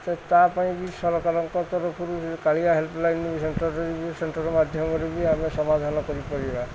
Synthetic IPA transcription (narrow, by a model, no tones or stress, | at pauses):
tɔt̪apaĩbisɔɾɔkaɾɔŋkɔt̪ɔɾɔpʰuɾukaɭiaɦelpʰlajnubisenʈɔɾːɔɾiisenʈɔɾɔmad̪ʱjɔmkɔɾibiamesɔmad̪ʱanɔkɔɾipɔɾiba